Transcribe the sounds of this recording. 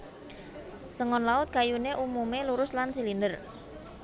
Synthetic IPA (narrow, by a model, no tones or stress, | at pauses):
səŋɔnlaʊt̪̚kajuneʔumumeluɾʊslansilindər